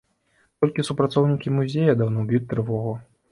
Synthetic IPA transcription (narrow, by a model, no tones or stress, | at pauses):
t̪ɔlʲkʲisupɾat̪sɔwnʲikʲimuzʲejɐd̪awnɔbʲjutʲt̪ːɾɨvɔɣu